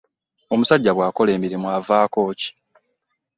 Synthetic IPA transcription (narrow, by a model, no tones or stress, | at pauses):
o̞musaɟːaβwaːko̞le̞ːmiɾimwavaːko̞ːci̥